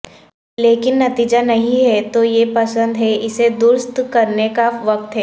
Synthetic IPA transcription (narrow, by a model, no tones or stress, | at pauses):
leːkɪnːɐt̪iːd͡ʒanɐɦĩɦɛt̪ojepɐsə̃nd̪ɦɛɪsed̪ʊɾst̪kɐɾnekaʋɐk̚t̪ɦɛː